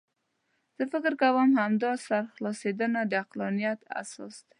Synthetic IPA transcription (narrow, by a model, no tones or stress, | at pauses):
z̥əfɪkɪɾkawəmhamd̪ɔsaɾxlɔsed̪ənad̪əaqlɔnijat̪a̰sɔ̰sd̪̥ḁ